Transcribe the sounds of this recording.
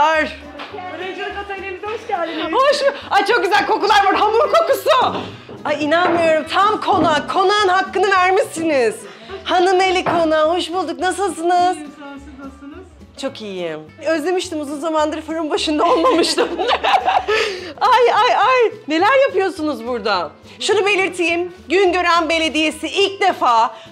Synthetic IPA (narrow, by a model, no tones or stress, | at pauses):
aɾ | ʃlihoʃat͡ʃʰo̞k̚ɟʲyzælʲko̞kulˠaɾvaɾɦamuɾkʰo̞kusu | ainanmɯjo̞ɾumt̪ʰamkʰo̞nakʰo̞nanhakːɯnɯvæɾmisiniz̥ | hanɯme̞lʲikʰo̞naho̞ʃbulˠd̪uknas̬ɯlˠs̬ɯnɯz̥ | t͡ʃʰo̞kiji | ø̞zlʲe̞miʃt̪imuzunzamand̪ɯɾfɯɾumbaʃɯnd̪ao̞lˠmamɯʃt̪ɯm | ajajajne̞lʲæɾjapɯjo̞sunuzbuɾd̪a | ʃunube̞lʲiɾt̪ʰijimɟynɟø̞ɾænbe̞lʲe̞d̪ije̞siilʲc̚d̪e̞faː